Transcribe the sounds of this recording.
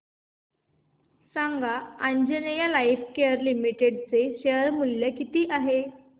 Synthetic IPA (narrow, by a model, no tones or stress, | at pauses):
saŋɡaaɲd͡ʑenejalajifkeəɾlimiʈeɽt͡seɕeəɾmuljəkit̪iːʔaɦe